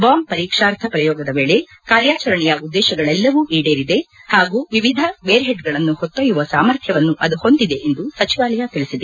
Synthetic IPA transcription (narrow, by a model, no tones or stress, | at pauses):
baːmpɐɾiːkʂaːɾt̪ʰɐpɾɐjɔːɡɐd̪ɐʋe̞ːɭe̞ | kaːɾjaːt͡ʃɐɾɐɳɛjɐud̪ːɛːʃɐɡɐɭɛlːɐʋuːʔiːɖeːɾid̪e̞haːɡuːʋiʋid̪ʱɐʋeːɾɦeʈɡɐɭɐnːuhot̪ːɐjuʋɐsa̰ːmɐɾt̪ʰjɐʋɐnːuʔɐd̪uho̞nd̪id̪e̞ʔend̪usɐt͡ʃiʋaːlɐjat̪iɭisid̪e